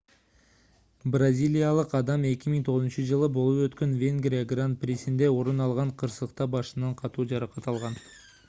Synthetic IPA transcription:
brazʲijlʲijalˠəqɑd̪ɑme̞kʲɪmɪŋt̪ʰo̞ʁəzənʃəʒəlˠəbo̞lˠəpwɵt̪kʲenvʲe̞ŋɡɾʲijaɡrant̪̚prʲesɪnd̪e̞wo̞ɾənɑlˠʁɑɴqʰəɾsəlˠəq̚t̪ɑbɑʃənɑɴqʰɑt̪uʒɑɾɑqɑt̪ɑlˠʁɑn

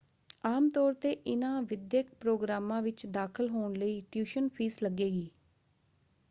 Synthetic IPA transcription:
aːmt̪ɔːɾt̪eːʔɪnãːʋɪd̪jək̚pɾoːɡɾaːmãːʋɪt͡ʃd̪aːkʰəlɦoːɳləiːʈjuːʃənpʰiːsləɡeːɡiː

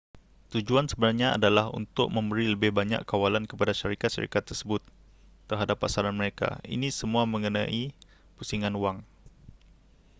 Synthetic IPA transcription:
t̪ud͡ʒuansəbənarɲaa̰dalahṵnt̪ʊk̚məmbəɾiləbɪhbaɲa̰kːawalankəpadaʃaɾikat̪̚ʃə̰ɾḭkat̪ːərsəbʊt̪ː | ərɦadapːasaɾanməɾeka̰ḭnisəmuaməŋəna̰ʔi | pusiŋanuwaŋ

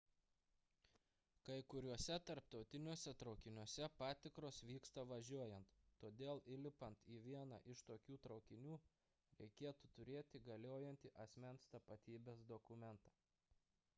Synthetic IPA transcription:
kɐɪkʊɾʲuɔsʲɛt̪ɐɾp̚t̪ɒʊt̪ʲɪnʲuɔsʲɛt̪ɾɒʊkʲɪnʲuɔsʲɛpɑːt̪ʲɪkɾoːsʋʲiːkst̪ɐʋɐʒʲuɔjɛnt̪ːoːd̪ʲeːlˠɪlʲɪpɐnt̪iːʋʲiɛnɑ̰ʔɪʃt̪oːkʲuːt̪ɾɒʊkʲɪnʲuː | ɾʲɛɪkʲeːt̪ut̪ʊɾʲeːt̪ʲɪɡɐlʲoːjɛnʲt̪ʲɪʔɐsʲmʲɛnst̪ɐpɐt̪ʲiːbʲeːsd̪ɔkʊmʲɛnt̪ɑː

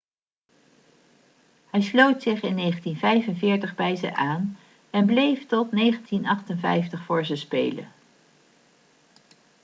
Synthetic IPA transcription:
hɛjslowtsɪχɪnːejχəntinvɛjvənvɪːɹtəχbɛjzə̰ʔaːn | ɛnblejftɔtnejχəntinɑχtənvɛ̰jftəχfʊːɹzəspḛjlə̰n

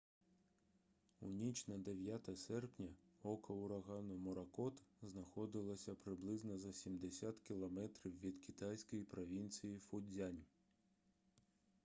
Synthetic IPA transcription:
unʲit͡ʃnɐd̪eʋʲjat̪ɐsɛrpnʲɐɔkɐʊɾɐɣɑnɔmɔɾɐkɔt̪znɐxɔd̪ɪlˠɐsʲɐpɾɪblˠɪznɐzɐsʲimd̪esʲat̪kʲilˠɐmɛt̪ɾʲiwʋʲid̪kʲit̪ajsʲkɔjipɾɔʋʲinʲt͡sʲijifʊd͡zʲanʲ

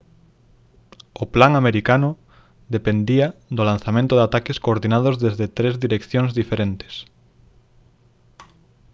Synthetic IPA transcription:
oplaŋameɾikano | ðepend̪iaðolanθamẽnt̪oðat̪akeskoːɾðinaðozðezðet̪ɾezðiɾekθjoŋzðifeɾent̪e̥s

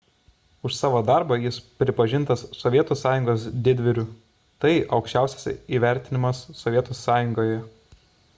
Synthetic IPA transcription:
ʊʃsɑːʋoːd̪ɑˑɾbɐjɪspʲɾʲɪpɐʒʲɪnt̪ɐsːɔʋʲiɛt̪uːsɑːjʊŋɡoːsd̪ʲɪd̪ʲʋʲɪɾʲʊ | t̪ɐɪʔɒʊkʃʲt͡ʃʲæˑʊsʲɛ̥sʲiːʋʲæˑɾʲt̪ʲɪnʲɪmɐsːɔʋʲiɛt̪uːsːɑːjʊŋɡoːjɛ

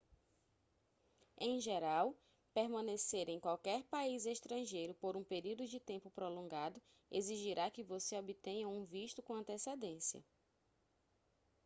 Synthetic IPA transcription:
ẽj̃ʒeɾaw | peɾmɐ̃neseɾẽj̃kwawkɛɾpaizeʃt̪ɾɐ̃ʒejɾʊpoɾũpeɾiwd̪ʊd͡ʒɪt̪ẽmpʊpɾolõŋɡad̪ʊ | eziʒiɾʔakɪvoseobit̪ẽɲɐũviʃt̪ʊkõɐ̃nt̪esed̪ẽsjɐ̰

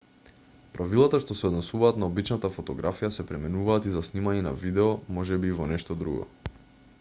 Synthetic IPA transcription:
pɾʔavilˠat̪aʃt̪ɔsɛɔd̪nɛsuvaːt̪naobit͡ʃnat̪afɔt̪ɔɡɾʔafijasɛpɾɛmɛnuvaːt̪izasnimaɲɛna̰vid̪ɛɔmɔʒɛbiːvɔnɛʃt̪ɔd̪ɾṵɡɔ̰

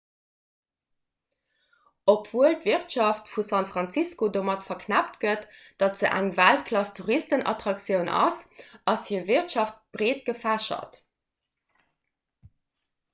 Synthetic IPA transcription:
opʰv̥uəltviʁtʃɑftfusɑnfʁɑnt͡siskodoːmɑtfɐkʰnæptɡət | d̥ɑtz̥əʔæŋvæltkʰlɑstʰuʁistənʔɑ̰tʁɑksjəʊnʔɑ̰sɑshiːɐviɐtʃɑft̚b̥ʁeːt̚ɡ̥əfæʃɐ̰t

